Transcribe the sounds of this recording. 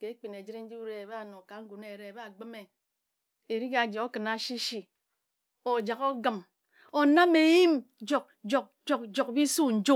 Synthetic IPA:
ke˨˦k͡pi˨ne˨d͡ʒi˦ɾi˦n̩˦d͡ʒi˦bu˦ɾe˦e˨ba˦a˦˨no˨ka˨ŋ̩˦ɡu˨ne˨ɾe˦e˨ba˦a˨ɡ͡bɨ˦me˨ | e˨ɾi˦ka˨d͡ʒi˨o˦kɨ˨na˨˦ʃi˦ʃi˨ | o˨d͡ʒa˨ko˦ɡɨ˦˨m | o˨na˦me˨ji˦md͡ʒo˨k̚d͡ʒo˨k̚d͡ʒo˨k̚d͡ʒo˨kbi˦su˦n̩˨˦d͡ʒo˦

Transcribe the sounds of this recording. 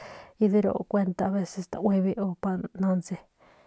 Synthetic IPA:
i˧ði˦ɾo̰˨ʔkʷe˧nt̪a˧a˧βe˧se˧st̪ã̰˨wʷi˧βi˧o˧pa˧nã˧nze˧

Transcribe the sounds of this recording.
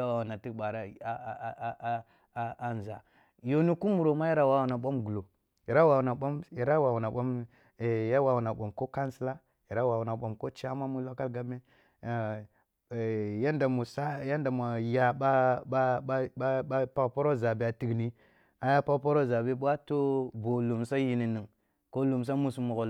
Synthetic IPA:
a˦wa˨wu˨na˨ti˦kɓa˨ɾa˨a˨˦˨ | n˨za̰˨ | jo˨ni˦ku˦mu˨ɾo˨ma˦ji˦ɾa˦wa˦wu˨na˨ɓʷo˦mɡu˨lo˨ | i˨ɾa˦wa˨wna˨ɓo˦mi˨ɾa˦wa˨wu˨na˨ɓa˦m˨ | ja˦wa˨wu˨na˨ɓo˨mko˦ka˦nsi˦la˦ | ji˨ɾa˦wa˨wu˨na˨ɓo˨mko˦t͡ʃa˦ma˦mu˦lo˦ka˦lɡa˦bme˦˨ | ja˦nda˨mu˨sa˦ja˦nda˨mʷ˨a˨ja˨ɓa˦ | a˦pa˦kpo˦ɾo˦za˨bi˨a˨ti˦ɡni˦ | a˨ja˦pa˦kpo˦ɾo˦˨za˨bi˦ɓʷa˦to˦bo˨lu˨msa˦ji˦ni˨ni˨ŋ | ko˦lu˨ms̬a˦mu˦su˦mu˨ɣo˨

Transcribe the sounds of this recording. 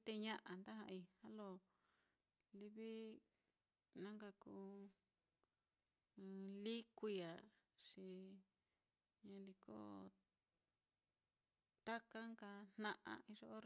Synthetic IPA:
t̪e˧ɲã˦ʔa˨nd̪a˦hã˧i˧ha˦lo˧˨ | li˧βi˦ | nã˦ŋka˧kuː˦˧ | li˦kʷi˧ja˨ʂi˧ | ɲã˧li˧ko̰˦ | t̪a˦ka˦ŋka˧n̥nã˦˧ʔã̰˧i˧ʐo˦ʔo˦ɾ

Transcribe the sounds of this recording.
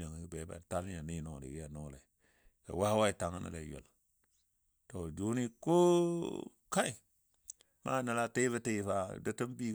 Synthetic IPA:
a˨ŋ˨˦be˨˦ba̰˨ta˦li˦ja˨ni˦no˨ɾḭ˨ɡja˨no˦˨lḛ˨ | ka̰˨wa˦hwa˦i˨ta˨ŋə˦nə̰˨lḛ˨˦jo̰˨l | to˨d͡ʒu˨˦ni˦ko˦ | ka˦i˨ | ma̰˦nə˨la˦te˦bə˦te˦˨fa˦˨də˦tə˦mbi˦

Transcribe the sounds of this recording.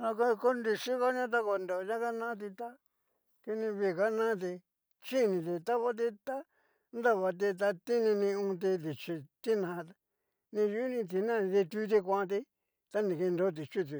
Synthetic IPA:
ã˧ko˦˧ko˦nd̪i˧ʂi˦ka˦ɲã˦t̪̬a˦ko˧nd̪o˨˧ja˦ka˦nã˦t̪̬i˧t̪a˦ | ki˧nĩ˧βi˧˨ka˦nã˦t̪̬i˧ | t͡ʃi˦˨nĩ˧t̪̬i˧t̪a˦βa˦t̪̬i˧t̪a˦ | nd̪a˦˨βa˧t̪̬i˧t̪̬a˧t̪i˦nĩ˧nĩ˧ũ˧t̪̬i˧t̪i˨t͡ʃi˧t̪i˦nã˧t̪ | nĩ˧ju˦nĩ˧t̪̬i˧nã˦˨˧ði˧t̪i˧˦t̪̬i˧kʷã˦˧t̪̬i˧ | t̪a˦nĩ˨ki˧nd̪o˦t̪̬i˨t͡ʃi˦t̪̬i˨˧˨

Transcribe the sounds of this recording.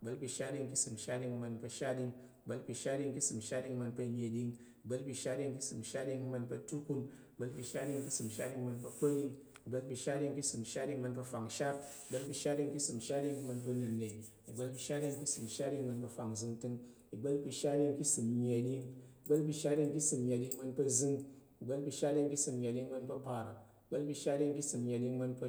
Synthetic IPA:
i˨ɡ͡bɐ˦lpʲi˧ʃa˦dʲi˧ŋki˦sɨ˨m˨ʃa˦di˧ŋ˧mɐ˧npɐ˧ʃa˦di˧ŋ | i˨ɡ͡bɐ˦lpʲi˧ʃa˦dʲi˧ŋki˦sɨ˨m˨ʃa˦di˧ŋ˧mɐ˧npɐ˧mʲe˧˨dʲi˧ŋ | i˨ɡ͡bɐ˦lpʲi˧ʃa˦dʲi˧ŋki˦sɨ˨m˨ʃa˦dʲi˧ŋ˧mɐ˧npɐ˧tu˦ku˧ni˨ɡ͡bɐ˦lpʲi˧ʃa˦dʲi˧ŋ˧ki˦sɨ˨m˨ʃa˦ɗi˧ŋ˧mɐ˧npɐ˧k͡po˦ɾi˧ŋ | i˨ɡ͡ba˦lpʲi˧ʃa˦di˧ŋki˦sɨ˨m˨ʃa˦di˧ŋmɐ˧npɐ˧fa˨ŋʃa˦t̚i˨ɡ͡bɐ˦lpi˧ʃa˦ti˧ŋki˦sɨ˨m˨ʃa˦i˧ŋ˧mɐ˧npɐ˧lɨ˨ne˨i˨ | i˨ɡ͡bɐ˦lpi˧ʃa˦ti˧ŋkʲi˦sɨ˨m˨ʃa˦ti˧ŋmɐ˧npɐ˧fa˨ŋ˨zɨ˧ŋtɨ˧ŋ | i˨ɡ͡bɐ˦lpi˧ʃa˦ɾʲi˧ŋ˦ki˦sɨ˨m˧ɲe˨di˧ŋi˨ɡ͡bɐ˦lpi˧ʃa˦ti˧ŋkʲi˦sɨ˧mɲʲe˨dʲi˧ŋ˦mɐ˧npɐ˧zɨ˧ŋ | i˨ɡ͡bɐ˦lpi˧ʃa˦i˧˦ŋkʲi˦sɨ˧m˧ɲʲe˨dʲi˧ŋmɐ˧npɐ˧pa˨ɾa˨i˨ɡ͡bɐ˦lpi˧ʃa˦i˧ŋ˦ki˦sɨ˨m˧ɲʲe˨dʲi˧ŋmɐ˧npɐ˧

